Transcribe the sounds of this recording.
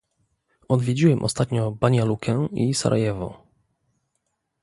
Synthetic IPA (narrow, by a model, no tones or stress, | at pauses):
ɔd̪vʲjed͡ʑiwɛmʔɔ̰st̪at̪ɲɔbaɲalukʰɛisa̰ɾʔa̰jɛvɔ̰